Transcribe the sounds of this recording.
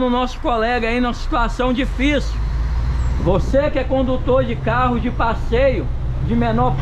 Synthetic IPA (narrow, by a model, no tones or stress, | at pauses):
nʊnɔsʊ̥kolɛɡɐainũmɐsi̥t̪uasɐ̃w̃d͡ʒifisi | vosekɪɛkõnd̪ut̪oɾd͡ʒɪkaɦʊzd͡ʒɪpasejʊ | d͡ʒɪmenɔɾp